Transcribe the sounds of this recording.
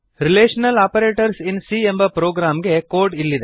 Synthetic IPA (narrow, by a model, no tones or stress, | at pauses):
ɾileːʂɐnɐlaːpɐɾeːʈɐɾsinsiːembɐpɾoːɡɾaːmɡe̞koːɖilːid̪e̞